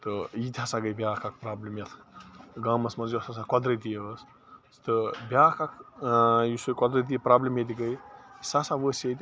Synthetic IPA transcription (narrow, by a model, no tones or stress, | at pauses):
t̪ɨit̪ʲʰaːsãːɡəjbʲaːkʰak̚ʰpɾaːblimjet̪ʰɡaːmɐsmɐnzjosas̬ãːkɔd̪ɾət̪̬ijəəs | st̪ɨbʲjaːkakʰ | jusojkɔd̪ɾət̪̬ipɾaːblimjet̪̬ʲiɡəjsaːsãʋəːsʲet̪ʲ